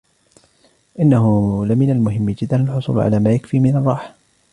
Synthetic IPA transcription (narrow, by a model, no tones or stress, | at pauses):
ʔɪnːahʊalamɪnalmʊɦɪmːɪd͡ʒɪd̪ːanalħʊsˤṵːl̰ʕa̰laːmaːjakfiːmɪnɑrˤːɑːħ